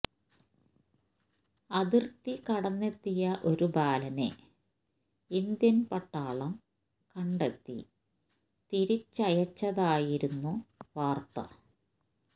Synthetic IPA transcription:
ɐðirt̪ikɐɽɐnːet̪ːijɐʔo̞ɾubaːlɐne̞̰ | ind̪jɐnpɐʈːaːɭɐm | kɐɳɖet̪ːḭ | t̪iɾit͡ɕːɐjɐt͡ɕːɐðaːjiɾunːuʋaːrt̪ɐ̰

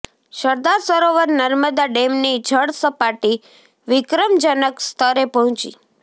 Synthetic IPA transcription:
ʃəɾd̪aɾsəɾoʋəɾnəɾməd̪aɖemnid͡ʒʱəɽsəpaʈi | ʋɪkɾəmd͡ʒənəkst̪ʰəɾepəɦə̃t͡ʃḭ

